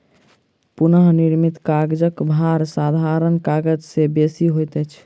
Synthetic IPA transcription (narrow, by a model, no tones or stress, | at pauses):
punəɦniɾmit̪kaɡd͡ʒəkbʱaɾsad̪ʱaɾənkaɡəd͡ʒsebesiɦojt̪ət͡ʃʰ